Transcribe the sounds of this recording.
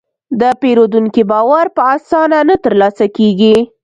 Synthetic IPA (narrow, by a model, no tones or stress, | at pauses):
d̪əpeɾod̪uŋkibɑwaɾpəasɑnanət̪əɾlɑsakeɡi